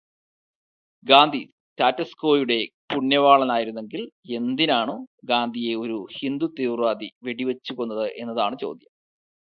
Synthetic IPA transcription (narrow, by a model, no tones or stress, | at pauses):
ɡaːnd̪ʱi | t̪aːtːɐskoːjuɽe̞puɳːjɐʋaːɭɐnaːjiɾunːe̞ŋɡile̞nd̪inaːɳoːɡaːnd̪ʱije̞o̞ɾuhind̪ut̪erʋaːd̪iʋe̞ɽiʋɐt͡ɕːuɣonːɐðɨʔe̞nːɐðaːɳɨt͡ɕo̞̰ːd̪ʱjɐm